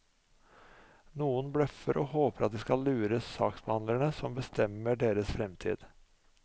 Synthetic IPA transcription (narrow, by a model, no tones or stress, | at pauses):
nuːənbɽœfəɾʔɔːhoːpəɾɑt̪̚d̪ɛskɑlːʉːɾəsɑːksbəhɑnd̪læɳəsɔmbəst̪ʰɛmːəɖeːɾəsfɾɛmt̪ʰḭːd̪̥